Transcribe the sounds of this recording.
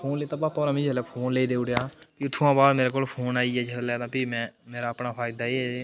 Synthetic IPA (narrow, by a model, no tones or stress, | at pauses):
pʰoːnleːt̪aːbaːpɔːɾãːmĩd͡ʒəlɛːpʰoːnleːd̪eːʊɽejaːpiʊt̪ʰːuãːbaːd̪meːɾeːkoːlpʰoːnaːiɛːd͡ʒəlɛːd̪ãːpiːmɛ̃ːmeːɾaːəpnaːpʰaːɪd̪aːeːɛ